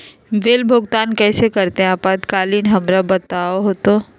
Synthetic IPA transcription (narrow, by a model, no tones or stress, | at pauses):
ʋeːlbʱʊɡt̪aːnkɛːsekɐɾt̪eɦɛ̃ɐpad̪kaːliːnɦɐmɾabɐt̪aːoɦoːt̪o